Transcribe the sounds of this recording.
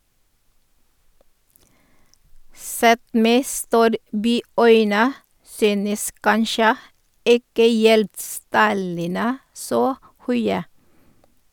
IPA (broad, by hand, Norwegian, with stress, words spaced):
ˈsɛt ˈmeː ˈstuːɾˌbyːˌœʏnə ˈsyːnəs ˈkɑnʃjə ˈɪkə ˈjɛldˌstɑlənə ˈsoː ˈhœʏə